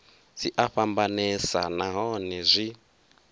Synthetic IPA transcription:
siʔaɸambanɛsanaɦɔnɛzʷi

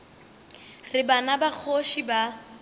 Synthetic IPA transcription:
rɪbanabak͡xʰoʃiba

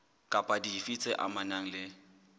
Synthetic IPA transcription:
kʼapʼadifit͡sʼɪʔa̰manaŋ̩lɪ

